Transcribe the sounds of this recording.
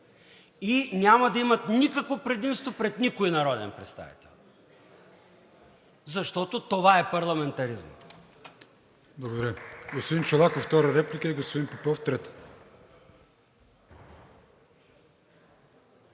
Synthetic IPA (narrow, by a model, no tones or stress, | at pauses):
inʲamɐd̪ɐimɐt̪nikəkvopɾɛd̪imst̪vopɾɛt̪nikoinɐɾɔd̪ɛ̰npɾɛt̪st̪a̰vḭt̪ɛlˠ | zɐʃt̪ɔt̪ot̪ovaɛpɐɾlˠɐmɛnt̪ɐɾizmə̰ | blˠɐɡod̪ɐɾɡospod̪int͡ʃolˠakoft̪ɔɾɐɾɛplikəiɡospod̪inpopɔft̪ɾɛt̪